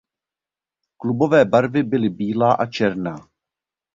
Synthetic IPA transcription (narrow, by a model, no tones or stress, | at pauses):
klubo̞vɛːbaɾvɪbɪlɪbiːlaːʔat͡ʃɛɾnaː